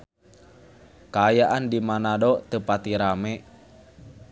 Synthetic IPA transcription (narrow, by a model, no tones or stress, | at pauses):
kaːjaʔandimanadɔt̪əpat̪iɾamɛ